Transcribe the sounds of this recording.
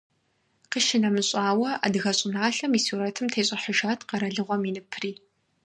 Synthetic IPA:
qəʃɪnɐmɨɕʼaːwɐʔa̰ːdɨɣɐɕʼɪnaːɬɐmisuːɾɐtʰɨmtʰeːɕʼɪħəʒaːtʰqɐɾɐɮɨʁʷɔminɨpʰriː

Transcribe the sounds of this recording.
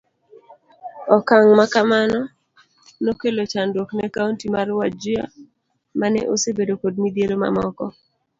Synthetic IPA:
ɔkaŋmakamanɔ | nokelot͡ʃandwoknɛkauntimaɾwad͡ʒɪa̰ | manɛ̰ʔosebedokod̚mid̪jeloma̰mɔkɔ

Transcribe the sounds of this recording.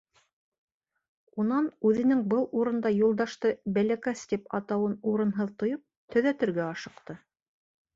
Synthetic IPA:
unɑnʉðɘ̆nɘŋbɤlˠuɾɤ̆nd̪ɑjulˠd̪ɑʃt̪ɤbælækæst̪ipɑ̰t̪ɑwɤnuɾɤ̆nɦɤðt̪ŏjɤp̚t̪ɵ̆ðæt̪ɘ̆ɾɡæɑʃɤ̆qt̪ɤ

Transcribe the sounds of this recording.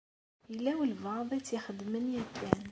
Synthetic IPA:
əlːæwəlvɑðˤit͡sːjəxəd̪mənjækʰːæn

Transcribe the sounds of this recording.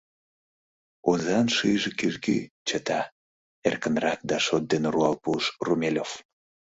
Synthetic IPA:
ozɑnʃɯjʒekiʒɡḭt͡ɕət̪ɑ | erkənrɑk̚d̪ɑʃot̪̚d̪enruɑlpuʃrumʲelʲof

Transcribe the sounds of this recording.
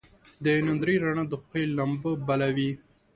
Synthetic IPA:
d̪ənand̪ɾiɾaɳad̪əxelːambəbalawi

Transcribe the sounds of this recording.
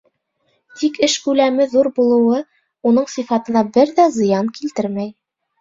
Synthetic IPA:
t̪ikɘʃkʉlæmɘðuɾbulˠɤ̆wɤ | un̪ɤɴsifɑt̪ɤ̆nɑbɘɾðæzɤ̆jɑnkilt̪ɘɾmæj

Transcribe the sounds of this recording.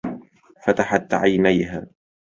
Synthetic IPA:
fat̪aħat̪ʕa̰jnajɦa̰ː

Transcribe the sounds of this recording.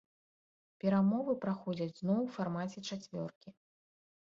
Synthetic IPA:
pʲɛɾamɔvɨpɾaxɔd͡zʲɐd͡zʲznɔwfarmat͡sʲɛt͡ʂat͡sʲvʲɔ̰rkʲi

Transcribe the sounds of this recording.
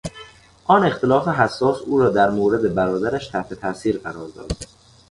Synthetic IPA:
ʔɒːne̞xt̪ʰe̞lɒːfeɦæsːɒːsuːɾɒːd̪æɾmoːɾe̞d̪e̞bæɾɒːd̪æɾæʃt̪ʰæht̪ʰe̞t̪ʰæʔsiːɾɢæɾɒːɾd̪ɒ̰ːd̪̥

